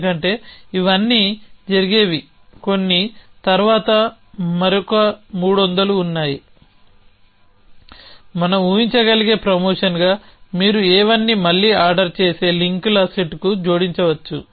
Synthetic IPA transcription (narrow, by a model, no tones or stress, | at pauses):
kɐɳʈe̞ːiʋɐnːiːd͡ʒɐɾiɡeːʋi | ko̞nːit̪ɐɾʋaːt̪ɐ | mɐɾokɐmuːɽuɐnd̪ɐluːnːaːji | mɐnɐmuːʋiɲt͡ʃɐɡɐliɡe̞ːpɾɐmoːʂɐnɡaːmiːɾuɛːʋɐnːiːmɐlːiːaːɾɖɐɾt͡ʃeːse̞ːliŋklɐseʈkud͡ʒoːɽiɲt͡ʃɐʋɐt͡ʃːu